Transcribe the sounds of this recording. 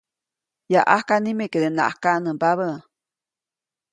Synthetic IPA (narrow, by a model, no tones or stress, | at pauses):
jaʔahkanĩmeked̪ena̰ʔakanə̃baβə